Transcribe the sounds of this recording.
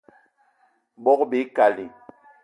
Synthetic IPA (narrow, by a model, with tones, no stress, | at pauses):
ɓɔ˦kbi˨˦ka˨li˨